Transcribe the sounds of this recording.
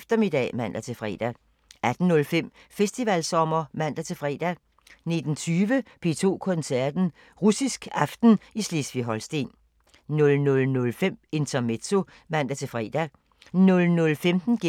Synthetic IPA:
fd̥ɐme̝d̥ɛ̰ːmæn̰d̥æt͡sʰe̝fʁɛ̰ːd̥æ | ʔæd̥n̩ːɔ̽lfem̰ | fesd̥iʋælsɒ̽mɐmæn̰d̥æt͡sʰe̝fʁɛ̰ːd̥æ | ne̝d̥n̩t͡sʰyːʋəpʰe̝t͡sʰo̝̰ːkʰɔ̽nsæɐd̥n̩ | ʁusisɡ̥ɑ̈fd̥n̩islesʋiɦɒ̽lsd̥e̝̰n | nɔ̽lnɔ̽lnɔ̽lfem̰e̝nt͡sʰɐme̝̥t͡sʰo̝ | mæn̰d̥æt͡sʰe̝lfʁɛ̰ːd̥æ | nɔ̽lnɔ̽lfemd̥n̩ɡ̥e

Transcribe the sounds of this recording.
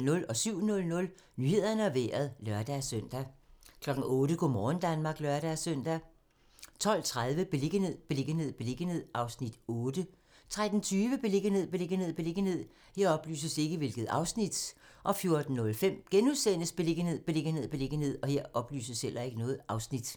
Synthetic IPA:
nɔ̽lɒ̽syʊ̰nɔ̽lnɔ̽l | nyːhe̝ð̰ˠɐnəɒʋḛːɐðˠlɶɐd̥æsøn̰d̥ækʰlɒ̽ɡ̥n̩ɔ̽ːd̥əɡ̥omɒːn̩d̥ænmɑ̈ːɡ̥lɶɐɾ̥æsœn̰d̥æ | t͡sʰɒ̽l̰t͡sʰʁað̞ˠʋəb̥e̝le̝ɡ̥əne̝ð̰ˠb̥e̝le̝ɡ̥əne̝ð̰ˠb̥e̝le̝ɡ̥ənhe̝ð̰ˠɑ̈ʊsnid̥ɔːd̥ə | t͡sʰʁad̥n̩t͡sʰyːʋəb̥e̝le̝ɡ̥əne̝ð̞̰ˠb̥e̝le̝ɡ̥əne̝ð̰ˠb̥e̝le̝ɡ̥ənhe̝ð̞̰ˠ | he̝ɐɒ̽b̥ly̰ːsəse̝ɡ̥əʋe̝lɡ̥ð̞̩ˠɑ̈ʊsnid̥ | ʔɒ̽fjo̝ɐd̥n̩ːɔ̽lfem̰ɡ̥enuðˠsen̰əsb̥e̝le̝ɡ̥əne̝ð̰ˠb̥e̝le̝ɡ̥ənhe̝ð̰ˠb̥e̝le̝ɡ̥ən̩he̝ð̰ˠɒ̽he̝ɐ̰ʔɒ̽b̥ly̰ːsəshel̰ʔɐe̝ɡ̥ənɔ̽ːð̩ˠɑ̈ʊsnid̥

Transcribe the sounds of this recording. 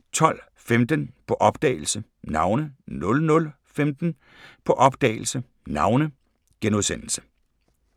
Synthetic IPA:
t͡sʰɒ̽l̰ | femd̥ənpʰɒ̽ʔɒ̽b̥d̥ɛ̰ːɪl̩sənɑ̈ʊnənɔ̽lnɔ̽l | femd̥n̩ | pʰɒ̽ʔɒ̽b̥d̥ɛ̰ːɪl̩sə | nɑ̈ʊnə | ɡ̥enuðˠsen̰l̩sə̥

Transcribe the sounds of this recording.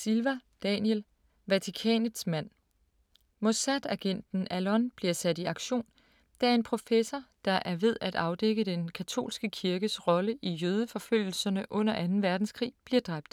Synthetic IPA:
silʋæd̥ɛnel | ʋæt͡sʰikʰɛ̰ːnəd̥smæn̰ | mo̝sæd̥æɡ̥en̰d̥n̩ælɒnb̥liɐsæd̥iɑ̈ɡ̥ɕo̝̰ːn | d̥æɐe̝npʰʁo̝fesɐd̥ɑ̈ʔæɐʋe̝ð̞̰ˠæd̥ɑ̈ʊd̥eɡ̥əd̥enkʰæt͡sʰo̝̰ːlsɡ̥əkʰiɐɡ̥əsʁɒ̽ləʔijøːð̞ˠəfɒ̽føl̰l̩sɐnəʔɔ̽n̰ɐʔænn̩ʋæɐd̥n̩skʰʁḭːb̥liɐd̥ʁɑ̈b̥̚d̥

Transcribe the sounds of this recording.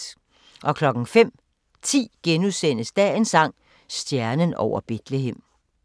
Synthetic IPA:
ʔɒ̽kʰlɒ̽ɡ̥n̩fem̰ | t͡sʰḭːɡ̥enusen̰əsd̥ɛe̝nsɑ̈ŋ̰ | sd̥jæɐnənɒʊ̰ɐb̥e̝d̥leɦem̰

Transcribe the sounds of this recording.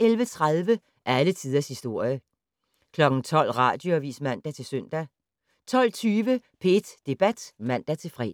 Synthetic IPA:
elʋət͡sʰʁað̞ˠʋə | ʔæɐælət͡sʰiːð̞ˠɐshisd̥o̝ɐ̰jə | kʰlɒ̽ɡ̥n̩t͡sʰɒ̽l̰ʁɑ̈ːd̥joæʋḭːsmæn̰d̥æt͡sʰe̝lsøn̰d̥æ | t͡sʰɒ̽l̰t͡sʰyːʋəpʰe̝d̥d̥e̝b̥æd̥mæn̰d̥æt͡sʰe̝lfʁɛ̰̥ː

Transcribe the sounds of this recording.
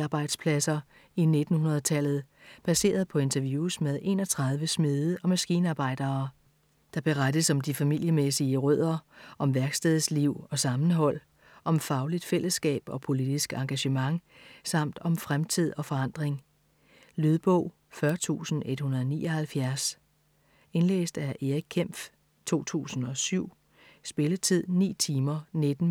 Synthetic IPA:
ɑːb̥ɑ̈ɪd̥spʰlæsɐ | ine̝d̥n̩hunɐð̞̩ˠt͡sʰæl̰ð̞̩ˠ | b̥æse̝̰ːɐðˠpʰɒ̽e̝nt͡sʰɐʋjuːsmeð̞ˠe̝̰ːnɒ̽t͡sʰʁɑ̈ð̞ˠʋəsmiðˠəʔɒ̽mæsɡ̥iːnɑ̈ːb̥ɑ̈ɪ̰d̥ɐː | d̥ɑ̈b̥e̝ʁad̥əsɒ̽md̥ifæmil̰jəmesiəʁœð̞̰ˠɐʔɒ̽mʋæɐɡ̥sd̥ɛðˠsliʊ̰ɒ̽sɑ̈mn̩ɦɒ̽l̰ | ʔɒ̽mfɑ̈ʊlid̥fel̰əsːɡ̥ɛ̰ːb̥ɒ̽pʰo̝lid̥isɡ̥ɑ̈ŋɡ̥æɕəmɑ̈ŋ | sɑ̈m̰d̥ɒ̽mfʁamt͡sʰið̞̰ˠɒ̽fɒ̽ɑ̈n̰d̥ʁeŋ | lyð̞ˠb̥ɔ̰ʊ̰ | fɶɐt͡sʰṵːsn̩e̝d̥hunɐðˠɒnḭːʔɒ̽hælfjæɐs | e̝nlḛːsd̥æɐʔe̝ʁiɡ̚kʰːem̰f | t͡sʰo̝̰ːt͡sʰṵːsn̩ɒ̽syʊ̰ | sb̥e̝lət͡sʰið̰ˠnḭːt͡sʰiːmɐned̥n̩

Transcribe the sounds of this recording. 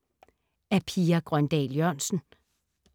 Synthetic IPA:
æpʰiːɐɡ̥ʁɶnd̥ɛ̰ːljœɐ̰nsn̩

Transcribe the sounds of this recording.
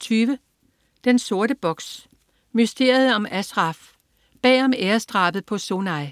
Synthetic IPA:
t͡sʰyːʋə | d̥enso̝ɐɾəb̥ɒ̽ɡ̥s | mysd̥e̝̰ːɐð̩ˠɒ̽mæsʁɑ̈f | b̥ɛ̰ːɒ̽meːɐsd̥ʁɑ̈ːb̥ð̩ˠpʰɒ̽so̝nɑ̈ɪ

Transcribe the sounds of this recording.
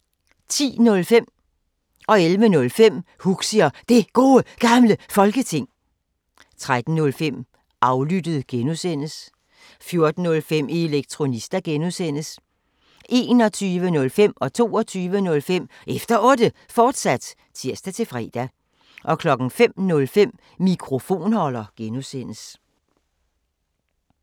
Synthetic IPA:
t͡sʰḭːnɔ̽lfem̰ | ɒ̽elʋənɔ̽lfem̰huɡ̥siɐd̥e̝ɡ̥o̝ːəɡ̥ɑ̈mləfɒ̽lɡ̥ət͡sʰe̝ŋ̰ | t͡sʰʁad̥n̩ːɔ̽lfem̰ | ʔɑ̈ʊlyd̥əð̩ˠɡ̥enusen̰əs | fjo̝ɐd̥n̩ːɔ̽lfem̰ʔie̝leɡ̥̚t͡sʰʁo̝nisd̥æɡ̥enusen̰əs | ʔe̝̰ːnɒ̽t͡sʰyːʋənɔ̽lfem̰ɒ̽t͡sʰo̝̰ːɒt͡sʰyːʋənɔ̽lfem̰ | ʔefd̥ɐʔɔ̽ːd̥ə | fɒːd̥sæd̥ | t͡sʰiɐ̰sd̥æt͡sʰe̝fʁɛ̰ːd̥æ | ʔɒ̽kʰlɒ̽ɡ̥n̩fem̰nɔ̽lfem̰ | mikʰʁo̝fo̝̰ːnhɒ̽lɐɡ̥enusen̰əs

